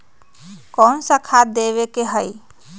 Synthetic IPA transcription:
kɔːnsakʰad̪eʋekeɦəi

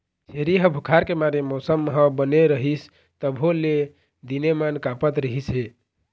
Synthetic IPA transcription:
t͡ʃʰeɾiɦə̃bʱukʰaɾkemaɾemɔsəmɦə̃bəneɾəɦis | t̪əbɦole | d̪inemankapət̪ɾəɦisɦe

